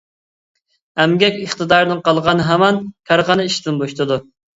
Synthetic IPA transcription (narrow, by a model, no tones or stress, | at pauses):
æmɡʲɛkʲəχt̪ɨd̪ɑɾɨnɨŋqɑlˠʁɑnɨɦɛmɛnkʲʰæɾʁɑnɨiʃd̪ɪnboʃt̪ʰɨd̪u